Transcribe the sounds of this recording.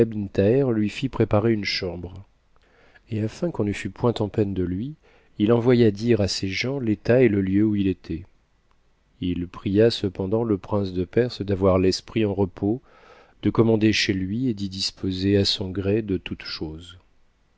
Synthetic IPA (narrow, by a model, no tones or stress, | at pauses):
ɛbnt̪aɛʁlɥifipχepaʁeynʃɑ̃bʁ | eafɛ̃kɔ̃nəfypwɛ̃t̪ɑ̃pɛnd̪əlɥi | ilɑ̃vwajad̪iʁaseʒɑ̃let̪aeləljøuilet̪ʰɛ | ilpχijasəpɑ̃d̪ɑ̃ləpχɛ̃sd̪əpɛʁsd̪avwaʁlɛspχiɑ̃ʁəpʰo | d̪̥əkɔmɑ̃d̪eʃelɥied̪id̪ispʰozeasɔ̃ɡʁɛd̪ət̪ut̪ʃoz